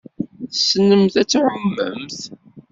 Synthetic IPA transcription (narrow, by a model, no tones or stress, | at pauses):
θsənəmθæt͡sːʕʊmːə̰mθ